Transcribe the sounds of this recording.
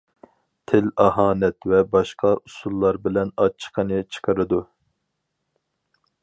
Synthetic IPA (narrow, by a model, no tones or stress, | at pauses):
t̪ʰɪlɑɦɑːnɛt̪vɛbɑʃqʰɑʔusulˠːɑɾbɪlɛnɑt͡ʃʰːə̥qʰənɨt͡ʃʰə̥qʰəɾɨd̪u